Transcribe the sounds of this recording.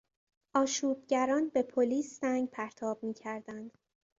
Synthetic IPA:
ʔɒːʃuːb̚ɟæɾɒːnbe̞pʰoliːsːæŋɡpʰæɾt̪ʰɒːb̥̚miːcʰæɾd̪ænd̪̥

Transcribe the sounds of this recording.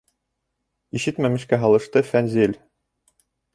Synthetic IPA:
iʃɘt̪mæmɘ̆ʃkæɦɑlˠɤ̆ʃt̪ɤfænzilʲ

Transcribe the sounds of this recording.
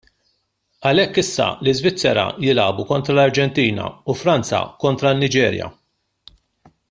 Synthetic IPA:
ɐlɛkːɪsːɐ̰lɪzvɪt͡sːɛɾɐ̰jɪlɐːbukɔnt̪ɾɐlɐɾd͡ʒɛnt̪iːnɐ̰ufɾɐnt͡sɐ̰kɔnt̪ɾɐnːɪd͡ʒɛːɾjɐ̰

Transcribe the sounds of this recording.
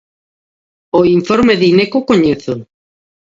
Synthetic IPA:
oiɱfoɾmeðinekokoɲeθo

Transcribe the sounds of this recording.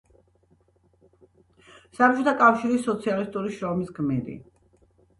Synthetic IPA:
sat͡ʃʰut̪ʰakʼafʃiɾisːɔt̪sʰialist̪ʼuɾiʃɾɔmisɡmiɾḭ

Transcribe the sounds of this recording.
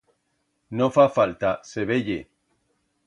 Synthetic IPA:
nofafalt̪aseβ̞eʎḛ

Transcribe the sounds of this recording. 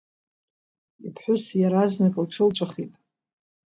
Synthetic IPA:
ḭpʰħʷᶣʊsjaɾaznɨkʼlʈ͡ʂʰɨlt͡ʃʷʼaχitʼ

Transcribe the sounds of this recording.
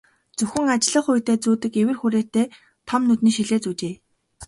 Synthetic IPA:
t͡sɵxʲɘ̆ŋat͡ɕɮə̆χʊjt̪eːt͡suːt̪ɘ̆kewɘ̆rxuɾeːt̪eː | t̪ʰɔmnɵt̪niːʃiɮeːt͡suːt͡ɕeː

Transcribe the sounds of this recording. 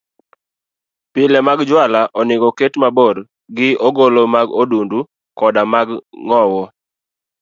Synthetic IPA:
pɪlɛmaɡd͡ʒwalaʔɔnɪɡɔketmaboɾ | ɡɪoɡolomaɡodundu | kɔdamaɡŋɔwɔ

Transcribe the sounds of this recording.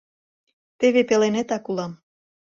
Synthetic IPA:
t̪eβepelenet̪ɑkulɑm

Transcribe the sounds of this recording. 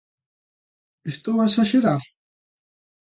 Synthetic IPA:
est̪oasaʃeɾaɾ

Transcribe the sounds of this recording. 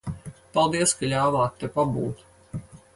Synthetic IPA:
palˠd̪iɛəskalʲaːvaːt̪ːewpabuːt̪

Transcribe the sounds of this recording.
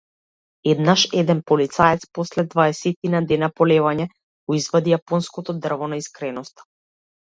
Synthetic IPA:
ɛd̪naʃɛd̪ɛnpɔlit̪saɛt̪spɔslɛd̪vaɛsɛt̪inad̪ɛnapɔlɛvaɲɛ | ɡ̥ɔizvad̪ijapɔnskɔt̪ɔd̪r̩vɔnaiskɾɛnɔst̪ḁ

